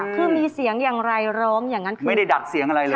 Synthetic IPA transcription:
kʰɯː˧˩miː˧si˨˩˦əŋjaː˨˩ŋɾa˧jɾɔː˦˥ŋjaː˨˩ŋːa˦˥nkʰmː˧a˥˩˨da˥˩jda˨˩t̪̚si˨˩˦əŋʔa˧ɾa˧jlː

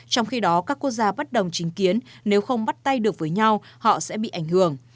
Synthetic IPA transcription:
t͡ɕɔ˧wŋ͡mxi˧ɗɔ˨˦kaː˦˥kːu˦˥k̚zaː˧ɓə˦˥t̚ɗə˨˩wŋ͡mt͡ɕï˨˦ŋ̟ki˨˦ənne˨˦wxə˧wŋ͡mɓa˦˥t̚t̪a˧jɗɨ˨˩ək̚vəː˨˦jɲa˧whɔ̰˧˨sɛ̰˧˥ɓḭ˧˨ʔa˧˩jŋ̟hɨ˧˩əŋ

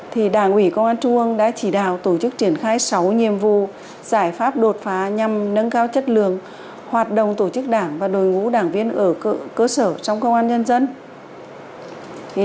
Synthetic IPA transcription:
t̪ʰi˨˩ɗaː˧˩ŋʔwi˧˩kə˧wŋ͡mʔaː˧nt͡ɕʊ˧ŋ͡mʔŋɗa̰ː˧˥t͡ɕi˧˩ɗa̰ː˧˨wt̪o˧˩t͡ɕɨ˦˥k̚t͡ɕi˧˩ənxaː˧jsa˨˦wɲi˨˩əmvṵ˧˨ | z̥aː˧˩jfaː˦˥p̚ɗo˨˩t̚faː˨˦ɲa˨˩mnə˧nkaː˧wt͡ɕə˦˥t̚lɨ̰˧˨əŋ | hwaː˨˩t̚ɗə̰˧˨wŋ͡mt̪o˧˩t͡ɕɨ˦˥k̚ɗaː˧˩ŋvaː˨˩ɗo˨˩jŋṵ˧˥ɗaː˧˩ŋvi˧ənʔəː˧˩˧kəː˧səː˧˩t͡ɕɔ˧wŋ͡mkə˧wŋ͡mʔaː˧nɲə˧nzə˧n

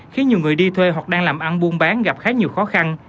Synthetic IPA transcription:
xi˨˦ɲi˨˩əwŋɨ˨˩əjɗi˧t̪ʰwe˧ɦwa˨˩k̚ɗaː˧ŋlaː˨˩mʔa˧nɓu˧ənɓaː˨˦nɣa˨˩p̚xaː˨˦ɲi˨˩əwxɔ˨˦xa˧n

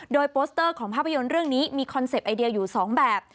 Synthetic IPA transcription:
doː˧jpoː˦˥st̪ɤː˥˩kʰɔː˩˦ŋpʰaː˥˩pʰːa˧jo˧nɾɯ˥˩əŋniː˦˥miː˧kʰɔ˧nse˨˩pʔa˧jdi˧əjuː˨˩sɔː˩˦ŋbɛː˨˩p̚

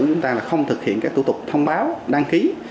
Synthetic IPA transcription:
t͡ɕʊ˨˦ŋ͡mt̪aː˧laː˨˩xə˧wŋ͡mt̪ʰɨ˨˩k̚hḭ˧˨əkaː˨˦˥k̚t̪u˧˩t̪ʊ˨˩k͡p̚t̪ʰə˧wŋ͡mɓaː˨˦wɗaː˧ŋki˨˦

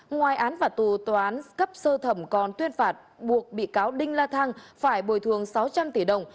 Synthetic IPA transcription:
ŋwaː˨˩jʔaː˨˦nfaː˨˩t̪u˨˩t̪waː˨˩ʔaː˨˦nkə˦˥p̚səː˧t̪ʰə˧˩mkɔ˨˩nt̪wi˧ənfaː˨˩t̚ɓu˨˩ək̚ɓḭ˧˨kaː˨˦wɗï˧ŋ̟laː˧t̪ʰa˧ŋfaː˧˩jɓo˧˩jt̪ʰɨ˨˩əŋsa˨˦wt͡ɕa˧mt̪i˧˩ɗə˨˩wŋ͡m

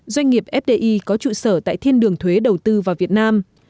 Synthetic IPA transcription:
zwa˧jŋ̟ŋi˨˩əp̚ʔɛ˦˥p̚ɗe˧ʔi˧kɔ˨˦t͡ɕṵ˧˨səː˧˩t̪a̰ː˧˨jt̪ʰi˧ənɗɨ˨˩əŋt̪ʰwe˨˦ɗə˨˩wt̪ɨ˧vaː˨˩vi˨˩ət̚naː˧m

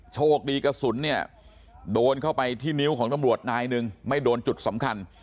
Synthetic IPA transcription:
t͡ɕʰoː˥˩k̚diː˧ka˧su˩˦nːi˥˩ɐə | doː˧nkʰa˥˩wpa˧jt̪ʰiː˥˩ni˦˥wkʰɔː˩˦ŋt̪a˧mɾu˨˩ət̪̚naː˧jnɯ˧ŋma˥˩jdoː˧nt͡ɕu˨˩t̪̚sa˩˦mkʰa˧n

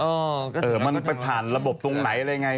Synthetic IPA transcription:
ʔɔː˧˩ʔɤː˨˩ma˧npa˧jp̪ʰaː˨˩nɾa˧bo˨˩p̚t̪u˧ŋna˩˦jʔa˧ɾa˧jŋa˧

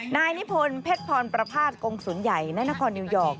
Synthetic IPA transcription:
naː˧jni˦˥pʰo˧npʰe˦˥t̪̚p̪ʰːɔː˧npɾa˧pʰaː˥˩t̪̚ko˧ŋsuː˩˦nja˨˩jna˧˥naː˧˥kʰɔː˧nːiː˧wjɔː˨˩k̚

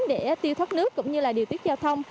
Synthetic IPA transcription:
ɗe˧˩˨t̪i˧əwt̪ʰwə˦˥t̚nɨ˦˥əkːʊ̰˧˥wŋ͡mɲɨ˧laː˨˩ɗi˨˩ət̪i˦˥t̚zaː˧wt̪ʰə˧wŋ͡m

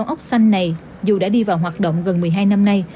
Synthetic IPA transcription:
ŋ͡mʔə˦˥wk͡p̚sa˧jŋ̟na˨˩j | zu˨˩ɗa̰ː˧˥ɗi˧vaː˨˩wɦwaː˨˩t̚ɗo̰˧˨wŋ͡mɣə˨˩nmɨ˨˩əjɦaː˧jna˧mna˧j

